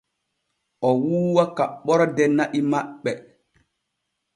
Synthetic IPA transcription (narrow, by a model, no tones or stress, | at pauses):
ʔɔwuːwakaɓːɔɾɔdɛnaʔimaɓːɛ